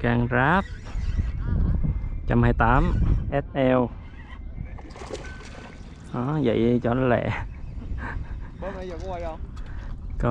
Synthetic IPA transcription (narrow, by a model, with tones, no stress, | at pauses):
kaː˧ŋzaː˦˥p̚ | t͡ɕa˧mhaː˧jt̪aː˨˦mʔɛ˦˥t̪̚ʔɛ˧w | ʔɔ˨˦və̰˧˨jt͡ɕɔ˧˩nɔ˨˦lɛ̰˧˩˦ | kɔ˨˦